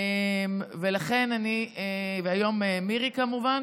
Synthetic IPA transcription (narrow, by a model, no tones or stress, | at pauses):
emve̞laχe̞nanieveajo̞memiʁikamuvan